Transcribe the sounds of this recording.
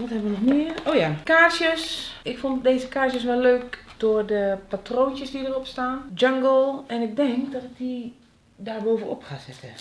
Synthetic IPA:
ʋɔthɛbəʋənɔxmɪəoːjakaːsjəsɪkfondeːzəkaːs̬jəsʋɛløːkd̥ʊərdəpatroːntjəsdidəropstaːnd͡ʒaŋɡlˠɛnɪk̚dɛŋkdɔtɪk̚di | daːrboːvəno̰pxasɪtʰə

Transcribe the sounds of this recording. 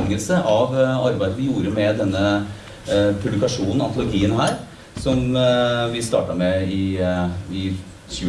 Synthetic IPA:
ŋəlsəʔɑʋɑɾbæɪd̪əʋɪjuːɾəmɛd̪ɛnːə | pʰʉblɪkɑʂuːnn̩ɔɑnt̪ʊlʊɡiːənɦæːɾ | sɔmʋɪst̪ɑ̰ːʈɑmɛɪ | ɪ | çʉː

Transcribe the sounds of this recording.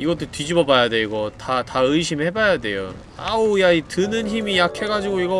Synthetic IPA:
iɡʌt͈otɥid͡ʑibʌbajade̞iɡʌtataɯiɕʰimɭhe̞bajade̞̰jo̰ | a̰ojaitɯnɯnçimijakʰe̞ɡad͡ʑiɡoiɡʌ

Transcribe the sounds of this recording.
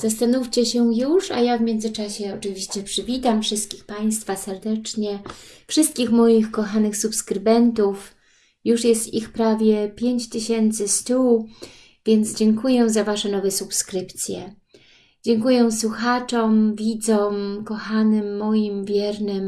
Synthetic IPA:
zast̪anuft͡ɕɛɕɛjuʂa̰javmʲjɛnd̪zɘt͡ʂaɕɛɔt͡ʂɘvʲiɕt͡ɕɛpʂɘvʲit̪amfʂɘst̪̚kʲixpaj̃st̪fasɛɾd̪ɛt͡ʂɲɛ | fʂɘst̪̚kʲixmɔjixkɔxanɘxsupskɾɘbɛnt̪uf | juʂjɛst̪ixpɾavʲjɛpʲjeɲt͡ɕt̪ɘɕɛnt̪sɘst̪uw | vʲjɛnd̪zd͡ʑɛŋkujɛzavaʂɛnɔvɛsupskɾɘpt̪sʲjɛ̰ | d͡ʑɛŋkujɛ̃swuxat͡ʂɔmvʲid̪zɔmkɔxanɘmːɔjimvʲjɛɾnɘm

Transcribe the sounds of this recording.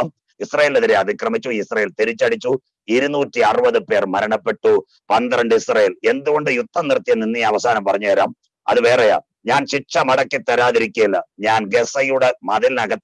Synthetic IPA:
m | isrɐjeːleðiɾeɐðikrɐmit͡ɕːuisrɐjeːlt̪eɾit͡ɕːɐɽit͡ɕːu | iɾunuːtːiɐrɨbɐðɨpe̞ːrmɐɾɐɳɐpːe̞ʈːu | pɐnd̪iɾɐɳɖɨisrɐjeːle̞nd̪uɣo̞ɳɖɨjut̪ʰːɐmnirt̪ːijɐninːijɐʋɐsaːnɐmpɐrɐɲːukɐɾa̰ːm | ɐ̰ðɨʋe̞ːrɐja̰ | ɲaːnɕiʂɐmɐɽɐkːit̪ːɐɾaːðiɾikʲːɐilːɐɲaːnɡesɐjuɽemɐðilnɐɣɐt̪ː

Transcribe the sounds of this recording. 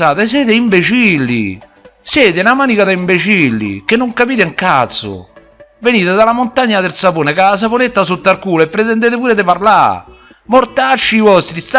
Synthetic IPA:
aːt̪es̬jɛːt̪eimbet͡ʃilːḭ | sjɛːt̪ɪnamaːnikad̪aimbet͡ʃilːḭk̟enːoŋkapiːt̪ɪŋkat̪sːʊ̰ | veniːt̪ed̪alamʊnt̪aɲːat̪eɾsapoːnekas̬aponet̪ːasot̪ːaɾkuːlepːɾet̪ɛnd̪eːt̪ɪpuːɾed̪ɪpaɾla̰ | moɾt̪at͡ʃːiːvɔst̪ɾist̪

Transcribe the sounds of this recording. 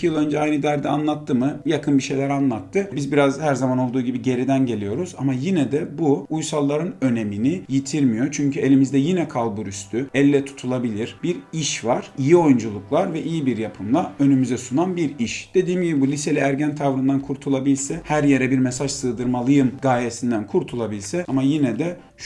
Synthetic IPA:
icʰijɯlˠø̞nd͡ʒɛajnɯd̪æɾd̪ɛanlˠat̪ʰːɯmɯjakʰɯnbiʃe̞jlʲæɾanlˠat̪ʰːɯbizbiɾazhæɾzamano̞lˠd̪uːɟibiɟe̞ɾid̪ænɟe̞lʲijo̞ɾuzamajinɛd̪ɛbuujsalˠːaɾɯnø̞ne̞minijit̪ʰiɾmijot͡ʃʰyɲcʰye̞lʲimizd̪ɛjinɛkʰalˠbuɾyst̪ʰyɛlʲːɛt̪ʰu̥t̪ʰulˠabilʲiɾ̥biɾiʃvaɾ̥ijio̞jund͡ʒulˠuklˠaɾvɛʔijibiɾjapʰɯmlˠaø̞nymyzɛsunanbiɾiʃd̪̥e̞d̪iːmɟibibulʲise̞lʲiæɾɟænt̪ʰavɾɯnd̪ankʰuɾt̪ʰulˠabilʲsɛhæɾje̞ɾɛbiɾmesaʒsɯːd̪ɯɾmalˠɯjɯmɡaːjesind̪ænkʰuɾt̪ʰulˠabilʲsɛamajinɛd̪ɛ | ʃ

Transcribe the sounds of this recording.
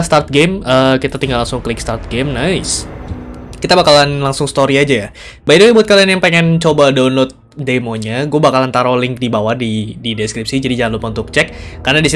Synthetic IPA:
st̪art̪̚ɡɛməkit̪at̪iŋɡalaŋsʊŋklɪk̚st̪art̪̚ɡɛmnaɪs | kit̪abakalanlaŋsʊŋst̪oɾiad͡ʒaja | baiduwabuat̪̚kalianjaŋpeŋɛnt͡ʃobadawnlot̪̚ | demoɲaɡuabakalant̪aɾolɪŋk̚dibawahdidideskɾip̚sid͡ʒadid͡ʒaŋanlupaunt̪ʊk̚t͡ʃɛkː | arnadisi

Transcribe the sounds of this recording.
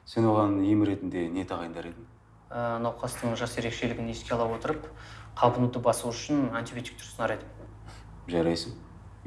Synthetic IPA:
se̞nwo̞ʁɑnijɪmɾe̞t̪ɪnd̪e̞ne̞t̪ʰɑʁɑjənd̪ɑɾe̞d̪ɪm | ənɑwqɑst̪əɴʒɑse̞ɾe̞kʃe̞lɪɡʲɪne̞skʲe̞ɑlˠɑwo̞t̪əɾəpqʰɑbənud̪əbɑsəuʏʃɪnant̪ʲibʲjot̪i̥k̚t̪ʰʊ̥ɾsənɑɾejd̪ɪm | ʒɑɾɑjsəŋ

